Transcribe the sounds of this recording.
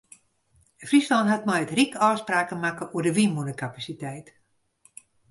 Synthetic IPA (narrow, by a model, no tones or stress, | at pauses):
frislɔntɦatmɛjətrikɔːspraːkəmakəʔuərdəʋimunəkapasitɛjt